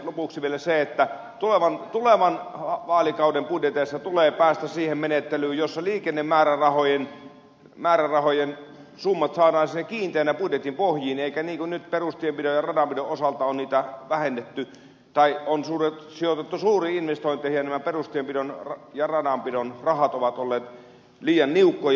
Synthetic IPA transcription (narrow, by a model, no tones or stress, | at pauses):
lopuksiʋielæseet̪ːæ | t̪uleʋɑnt̪uleʋɑnɑʋɑːlikɑˑudempudjet̪eːˑsːɑt̪uleːpæːst̪æsiːhemmenet̪ːelyːjosːɑliːkenːemmæːrærɑhojen | mæːɾærɑhojen | sumːɑt̪sɑːdɑːnsinːekkiːnt̪eːnːæpudjet̪impohjiːneˑikæniːŋkunnyt̪perust̪iempidojɑrɑdɑmpidoʔʔosɑlt̪ɑonniːt̪æʋæhenːet̪ːy | t̪ɑionsuːret̪sijot̪et̪ːusuːriːinʋest̪oˑint̪ˑeˑhijɑnæmæperust̪iempidonrjɑrɑdɑmpidonrɑhɑt̪oʋɑt̪olːeːt̪ | liːjɑnniukːoj